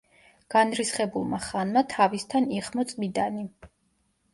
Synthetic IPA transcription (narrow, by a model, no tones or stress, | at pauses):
ɡ̥anɾisχɛbulˠmaχanmat̪ʰavist̪ʰaniχmɔt̪sʼmid̪ani